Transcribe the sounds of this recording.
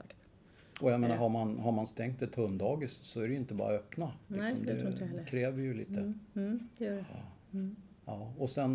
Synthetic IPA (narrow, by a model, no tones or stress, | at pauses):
kt̪ | ɔjameːnaɾɦaɾmanɦaɾmanst̪ɛŋkt̪ɛt̪ʰɵnd̪ɑːɡɪssɔæɾɛjʏɪnt̪əbɑ̰ːɾaœpnalɪksɔmd̪ɛkʰɾɛːvːɪjɵlḭːt̪ʰə | ɑːɔsɛn